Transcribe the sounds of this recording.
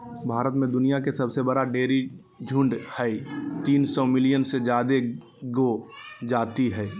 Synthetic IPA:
bʱaːɾət̪mẽd̪ʊnijakesɐbsebəɽaɖeːɾi | d͡ʒʱʊ̃ɳɖhɛit̪iːnsɔːmɪlɪjənsed͡ʒjaːd̪e | ɡod͡ʒaːt̪iɦɛː

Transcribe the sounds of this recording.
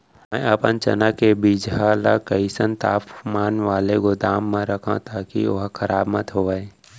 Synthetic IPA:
mɛ̃ɐpənt͡ʃɐ̰nakebiːd͡ʒɦaːla̰kəisənt̪a̰ːpmaːnʋaːleɡod̪aːmːẽɾɐkʰã̰t̪aːkḭoɦkʰəɾaːbmət̪ɦoʋae

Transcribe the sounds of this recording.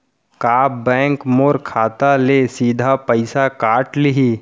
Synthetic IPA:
kaːbɛ̃ːŋkmoːɾkʰaːt̪alesiːd̪ʱapəɪsakaːʈlɪɦiː

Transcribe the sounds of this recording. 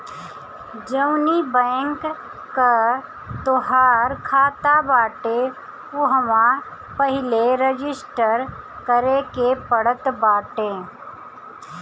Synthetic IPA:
d͡ʒəwnibɛ̃ːŋkː | a | t̪oɦaːɾkʰaːt̪abaːʈe | oɦəmã | pəɦɪleɾəd͡ʒɪsʈəɾ | kəɾekepəɽət̪baːʈẽː

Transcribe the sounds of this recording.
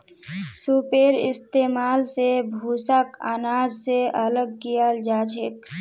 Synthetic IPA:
supeːɾɪ̰st̪eːmaːlsebʱuːsəka̰ːnaːd͡ʒseʔələɡ̚kijəld͡ʒaːd͡ʒʰek

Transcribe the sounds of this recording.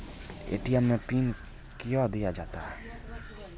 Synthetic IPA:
ḛʈijamẽpin | kijɔd̪ijad͡ʒat̪a

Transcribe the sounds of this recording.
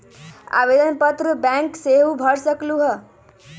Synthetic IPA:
a̰bed̪ənpət̪ɾəbaŋkseɦubʱʌɽsəkluɦə

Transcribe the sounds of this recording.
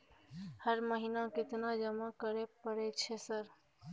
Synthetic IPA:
həɾməɦinakɪt̪nad͡ʒəmakəɾepəɾɛt͡ʃʰesəɾ

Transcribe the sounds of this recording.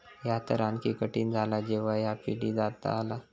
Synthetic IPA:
jat̪əɾankikəʈiːnd͡zʱalad͡ʑeʋajapiɽid͡zat̪a̰ːla

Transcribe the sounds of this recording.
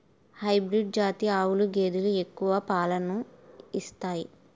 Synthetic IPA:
hɐjbɾiɖ̚d͡ʒaːt̪iaːwuluɡe̞ːd̪ulue̞kːuʋɐpaːlɐnuist̪aːji

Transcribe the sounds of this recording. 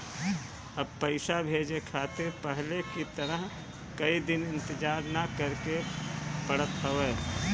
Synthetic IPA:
ɐb̚pəɪsabʱeːd͡ʒekʰaːt̪ɪɾpɛɦlekit̪ɐɾəɦ | kɐid̪ɪnɪ̃nt̪ɪd͡ʒaːɾnakəɾkepəɽət̪ɦəʋeː

